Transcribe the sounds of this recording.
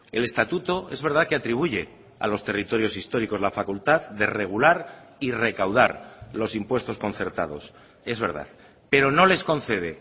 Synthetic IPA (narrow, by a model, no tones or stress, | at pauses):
e̞le̞st̪at̪ut̪o̞e̞zβe̞ɾðaðkeat̪ɾiβ̞uʝe̞ | a̰lo̞st̪e̞rit̪o̞ɾjo̞sist̪o̞ɾiko̞zlafakult̪aðd̪e̞re̞ɣ̞ulaɾire̞kawða̰ɾlo̞simpwe̞st̪o̞sko̞nθe̞ɾt̪a̰ð̞o̞̰s | e̞zβe̞ɾða̰ð | pe̞ɾo̞no̞le̞sko̞nθe̞ð̞e̞